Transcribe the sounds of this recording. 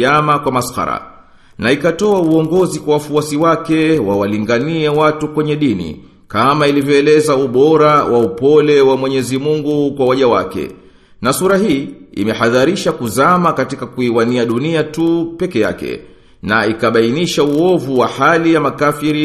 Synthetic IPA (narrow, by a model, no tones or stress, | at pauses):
amakwamasxa̰ɾa̰ | naikatɔauɔŋɡɔzikwawafuasiwakɛwawaliŋɡaniɛwatukwɛɲɛɗinḭ | kamailivjɔɛlɛzauɓɔɾawʔaupɔlɛwamwɛɲɛzimuŋɡukwawaʄawa̰kɛ̰ | nasuɾahiːḭmɛhaðaɾiʃakuzamakatikakuiwaniaɗuniatupɛkɛja̰kɛ̰ | na̰ikaɓainiʃauɔvuwahalijamakafiɾi